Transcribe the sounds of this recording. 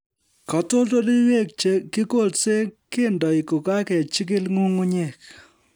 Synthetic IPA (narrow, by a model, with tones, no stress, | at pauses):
kɔ˨to˦lto˦li˦we˦˨kki˦ko˦˨lse˦ke˦ndɔ˨i˨ko˨ka˦kɛ˨t͡ʃɪ˦k̬ɪ˦lŋu˦ŋu˦ɲe˨k̚